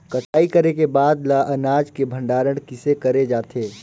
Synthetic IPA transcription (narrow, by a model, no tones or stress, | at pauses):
kɐʈʰaːikɐɾekebaːd̪laʔɐnaːd͡ʒkebʱə̃ɳɖaːɾəɽ̃kɪsekɐɾed͡ʒaːt̪ʰeː